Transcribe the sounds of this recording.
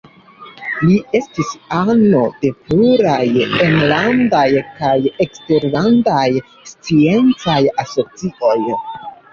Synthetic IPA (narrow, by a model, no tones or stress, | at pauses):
lie̞stisano̞de̞pluɾajenlandajkaje̞kste̞ɾlandaj | st͡sie̞nt͡sajaso̞t͡sio̞j